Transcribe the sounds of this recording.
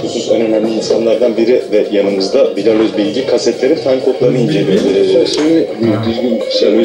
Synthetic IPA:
kʰusunsønø̞næmlʲiːnsanlˠaɾd̪anbiɾivɛjanɯmɯzd̪abilʲaløzbilʲɟikʰasɛt̪lʲe̞ɾinfʰankʰo̞p̪lˠaɾɯnɯind͡ʒelʲieʃimibd̪yzɡʲynʃø

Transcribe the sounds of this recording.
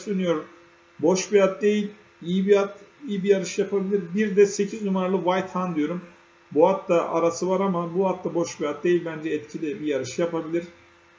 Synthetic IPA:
d̪ønyjoɾ | bo̞ʃbiat̪̚d̪e̞jilʲ | ibiat̪iːbijaɾɯʃjapʰabilʲiɾbiɾd̪ɛse̞cʰiznumaɾalˠɯvajt̪hand̪ijo̞ɾum | buat̪d̪aʔaɾasɯvaɾamabuat̪ːd̪abo̞ʃbijat̪̚d̪e̞jilʲbænd͡ʒɛɛt̪cʰid̪ʲɛbijaɾɯʃjapabilʲiɾ̥

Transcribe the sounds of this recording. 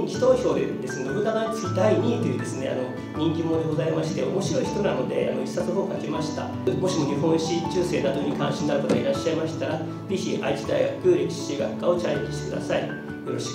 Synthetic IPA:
kʲi̥t̪oço̞ːd̪ed̪e̞sɨneobɯ̟d̪aɡaɲit͡sɨ̥kʲid̪aiɲ̟iːt̪o̞jɯ̟ːd̪e̞sɨne̞̰a̰no̞ | ɲ̟ĩŋkʲimoːd̪eɡo̞zaimaɕi̥t̪e̞o̞̰mo̞ɕiɾo̞içi̥t̪o̞nano̞d̪e̞̰a̰no̞̰isat͡sɦoːkake̞maɕi̥t̪a̰ | mo̞ɕimo̞ɲ̟iɦõ̞ɰ̃ɕĩt͡ɕɨːse̞ːnad̪o̞ɲ̟ikã̰ɰ̃ɕĩnːaɾɯ̟kat̪oaiɾaɕːaemaɕi̥t̪aɾa | d͡ze̞çiʔa̰it͡ɕid̪a̰iɡa̰kɯ̟ɾekʲi̥ɕiɡa̰kːaːo̞t͡ɕajiɕi̥t̪ekɯ̟d̪a̰sai | jo̞ɾo̞ɕi̥

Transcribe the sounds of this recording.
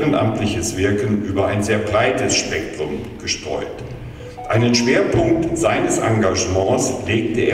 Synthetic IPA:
ʁənʔa̰mtlɪçəsv̥ɪɐkən̩ʔyːbɐʔa̰ɪnzeːɐbʁaɪtəsʃpɛk̚tʁ̥ʊmɡ̥əʃtʁ̥ɔ̰ʏt | ʔaɪnənʃv̥eːɐpʰʊŋk̚tz̥aɪnəsʔa̰ŋɡaʒəmɑ̃ːsleːktəʔeː

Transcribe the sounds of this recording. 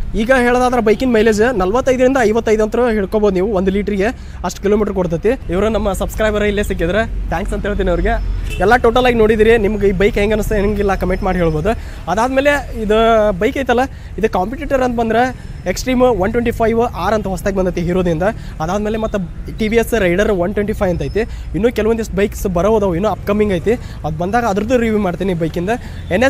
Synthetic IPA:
iːɡɐɦeːɭod̪aːd̪ɐɾɐbɐjkinmejleːd͡ʒnɐlʋɐt̪ːɐjd̪ɐɾind̪ɐːjʋɐt̪ːɐjd̪uɐnt̪ɾɐɦiɭkoboːd̪uniːʋuʋond̪uliːʈɐɾɡe̞ | ɐʂʈkilo̞ːmiːʈɐɾkoɽt̪̬ɐt̪ːiiʋɐɾunɐmːɐsɐbskɾɐjbɐɾɐilːeːsik̬ːid̪ɐɾet̪ʰaːŋksɐnt̪ɐɦeɭt̪̬iːnɐʋɐɾiɡeɛlːɐʈo̞ːʈɐlaːɡino̞ːɽid̪iɾinimɐɡiːbɐjkɦeŋɡɐnust̪eɡilːɐkɐmeɳʈmaːɖɦe̞ːɭboːd̪u | ɐd̪aːd̪me̞ːle̞id̪ubɐjkɐːjt̪ɐlːɐ | id̪ukaːmpiʈiːʈɐɾɐnt̪ɐbɐnd̪ɾe | eksʈɾiːmʋɐnʈweɳʈipʰɐjʋʔaːɾɐnt̪ɐɦɔst̪aːɡebɐnd̪ajt̪iɦiːɾoːd̪ɾind̪ɐ | ɐd̪aːd̪meːlemɐt̪ːɐʈibiesːɾɐjɖɐɾʋɐnʈweɳʈiːpʰɐjʋɐnt̪aːjt̪i | inːuːkɛlɐʋɐnd̪eʂʈbɐjksbɐɾboːd̪ɐʋinːuɐpkɐmːiŋɡaːjt̪i | ɐd̪ubɐnd̪aːɡɐːd̪ɐɾɐd̪uɾiʋiːmaːɖt̪iːnibɐjkind̪ɐ | enːes

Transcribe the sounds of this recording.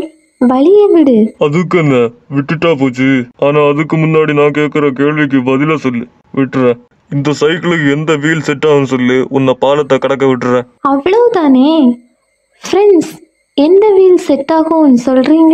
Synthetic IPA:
ʋɐɭɪjɐʋɪɽɯɐðɯkːɯɛnːɐʋɪʈːɪʈːaːp̬oːt͡ʃːɯaːnaːɐðɯkːɯmʊnːaːɽinãːkeːkɪɾɐkeːɭʋɪk̬ːɯʋɐðɪlaːsɔlːi | ʋɪʈːɯɾẽː | ɪnd̪ɐsɐɪkːɪɭɯkːɯɛnd̪ɐʋiːlsɛʈːaːɣɐnːɯsɔlːiʊnːɐpaːlɐt̪ːɐkɐɽɐkːɐʋɪʈːɯɾẽː | ɐʋɐɭɐʋt̪aːneː | fɾɛɳɖs | ɛnd̪ɐʋiːlsɛʈːaːɣɐ̃nːɯsɔlriːŋɡɐ

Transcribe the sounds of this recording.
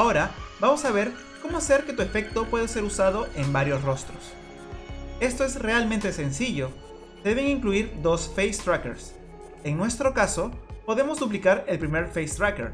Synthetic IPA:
ao̞ɾabamo̞saβe̞ɾ | ko̞moase̞ɾke̞t̪ue̞fe̞k̚t̪o̞pwe̞ðese̞ɾusaðo̞ʔe̞mbaɾjo̞sro̞st̪ɾo̞s | e̞st̪o̞e̞sre̞almẽnt̪e̞se̞nsiʝo̞ | d̪eβ̞e̞ŋiŋkluiɾd̪o̞sfejst̪ɾakḛɾs | e̞ŋnwe̞st̪ɾo̞kaso̞po̞ðe̞mo̞zd̪up̬likaɾe̞lpɾime̞ɾfejst̪ɾakḛɾ

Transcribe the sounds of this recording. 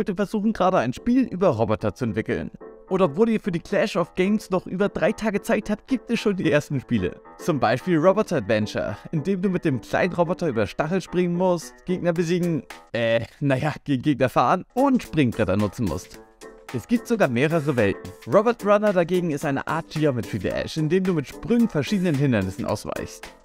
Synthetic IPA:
ɔʏtəfɛɐzuːxn̩ɡʁaːdəaɪnʃpiːlʔy̰ːbɐʁɔbɔtɐt͡suɛntv̥ɪkl̩̰nʔoːdɐɔpv̥oːliːɐfyːɐdiːkl̥ɛʃɔfɡ̥ɛɪmsnɔχʔyːbɐdʁaɪtʰaːɡət͡saɪk̚thap̚t̚ɡ̥iːp̚tɛsʃoːndiːʔeːɐstn̩ʃpiːlə̰t͡sʊmbaɪʃpiːlʁɔbɔtʰɐatv̥ɛnt͡ʃɐ̰ʔɪndeːmduːmɪt̚d̥eːmkʰl̥a̰ɪnənʁobɔtɐʔyːbɐʃtaχl̩ʃpʁ̥ɪŋənmʊst̚ɡ̥eːɡ̚nɐbəziːɡŋ̩ʔɛːnajaɡ̥eːɡ̩ɡeːk̚nɐfa̰ːʁənʔʊntʃpʁ̥ʏŋbʁɛtɐnʊt͡sn̩mʊ̰stʔɛsɡ̥iːp̚tz̥oɡaːɐmeːʁ̞əʁəvɛltn̩ʁɔbɛɐtʁanɐdaɡeːɡŋ̩ɪstʔaɪnə̰ʔa̰ɐt̚ɡ̥iɔmɪtʁ̥idḭʔɛ̰ʃɪndeːmduːmɪtʃpʁ̥ʏŋfɛɐʃiːdənənɦɪndɐnɪsn̩ʔa̰ʊsv̥a̰ɪçst

